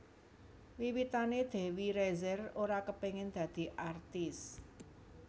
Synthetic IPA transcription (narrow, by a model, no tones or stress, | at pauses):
wiwit̪aned̪̥e̤wiɾɛzɛroɾakəpeŋɪnd̪̥ä̤d̪̥i̤ʔart̪ɪs